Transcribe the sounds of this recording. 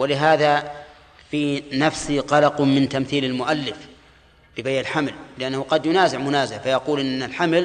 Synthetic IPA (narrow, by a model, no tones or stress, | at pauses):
wɪlɪɦaːða | fiːnafsiɣɑlɑqmɪnt̪amθiːlalmʊʔalːɪf | b̥ɪbajʔalħamllɪʔanːahuqɑd̪jʊnaːzɪʕmʊnaːzɪʕfajɑquːlʔɪnːalħaml